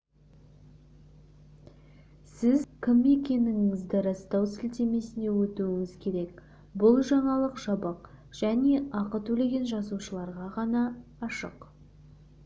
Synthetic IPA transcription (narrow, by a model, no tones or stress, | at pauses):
sɪzkʲʰɪme̞kʲe̞nɪŋɪŋɪzd̪ɪɾɑst̪ɑwsɪlt̪eme̞sɪne̞wɵt̪uɪŋɪzkʲʰe̞ɾe̞k | bʊlˠʒɑɴɑlˠəqʒ̥ɑbɑq | ʒ̥æne̞ʔɑqət̪ʰɵle̞ɡʲe̞nʒɑzuʃəlˠɑɾʁɑʁɑnɑːʃə̰q